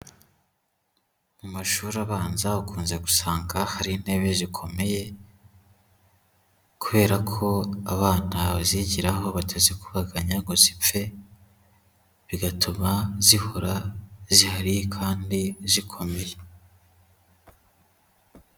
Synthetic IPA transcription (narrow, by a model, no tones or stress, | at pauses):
mumaʃuːɾaβaːnzaβakuːnze̞ɡu̥saːŋɡahaɾinhe̞βezikʰo̞me̞je̞ | kuβe̞ːɾakʰo̞aβaːnaβaziɟiɾaɦo̞βatʰazikuβaɡaɲaŋɡo̞zip͡fe̞ | βiɡatʰumazihoɾazihaɾikʰaːndizikʰo̞me̞je